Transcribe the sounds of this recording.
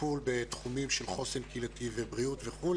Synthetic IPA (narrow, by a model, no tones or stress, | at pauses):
ulbet̪χumimʃelχosenkilat̪ivebʁiut̪veχul